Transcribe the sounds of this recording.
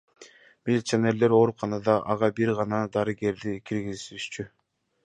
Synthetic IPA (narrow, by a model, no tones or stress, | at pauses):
milʲit̪sene̞ɾle̞ɾo̞ɾuqʰɑnɑd̪ɑʔɑʁɑbiɾʁɑnɑd̪ɑɾɯɡe̞ɾd̪ikʰiɾɡizsyʃt͡ʃy